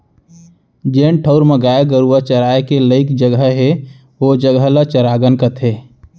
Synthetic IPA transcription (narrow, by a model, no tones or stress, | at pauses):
d͡ʒeːnʈʰəʊɾməɡaːeɡəɾuat͡ʃəɾaːekeləɪkd͡ʒəɡəɦe | ʋod͡ʒəɡəlat͡ʃəɾaːɡənkət̪ʰeː